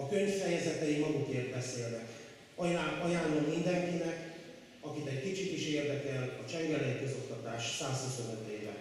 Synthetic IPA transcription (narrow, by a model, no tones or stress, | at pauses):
ɒkø̞ɲffɛjɛzɛt̪ɛjimɒɡukeːrt̪̚bɛseːlnɛkː | ɒjaːlːommind̪ɛŋkinɛk | ɒkit̪ɛɟkit͡ʃit̪iʃeːrd̪ɛkɛlɒt͡ʃɛŋɡɛlɛjikø̞zo̞kt̪ɒt̪a̰ːʃsaːshuso̞nøt̪eːvɛ̰